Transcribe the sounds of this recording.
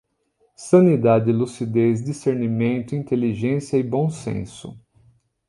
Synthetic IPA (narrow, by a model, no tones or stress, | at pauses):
sɐ̃nid̪ad͡ʒɪlusid̪ez̬diseɾnimẽnt̪ʊĩnt̪eliʒẽsiɐɪbõw̃sḛ̃sʊ̰